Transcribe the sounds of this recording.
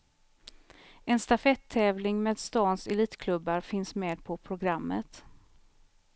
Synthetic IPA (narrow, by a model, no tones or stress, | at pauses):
ɛnst̪afɛt̪ʰːɛːvlɪŋmeːd̪st̪ɑːnsɛliːt̪kʰlɵbːaɾfɪnsmeːd̪̚pʰɔpʰɾʊɡɾamːə̰t̪